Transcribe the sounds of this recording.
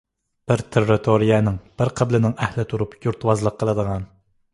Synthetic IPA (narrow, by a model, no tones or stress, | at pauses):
b̥ɪɾt̪ʰerːɪt̪ʰoɾijɛnɪŋb̥ɪɾqʰəblɪnɪŋɛhlɪt̪ʰuɾupjuɾt̪ʰwɑzlˠəqʰːəlˠɨd̪əʁɑn